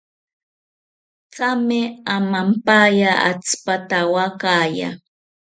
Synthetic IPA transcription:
t͡samɪamampajaʔa̰t͡spat̪awakaːja̰

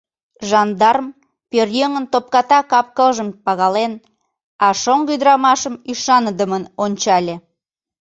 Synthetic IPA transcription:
ʒɑnd̪ɑrəm | pørjøŋənt̪op̚kɑt̪ɑkɑp̚kəlʒəmpɑɣɑlen | ɑʃoŋɡyd̪əɾɑmɑʃəmyʃɑnəd̪əmənonʲt͡ɕɑlʲe

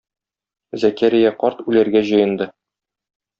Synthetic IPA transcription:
zækæɾijæqɒɾt̪ʉlæɾɡæʑɤ̆jɤ̆nd̪ɤ

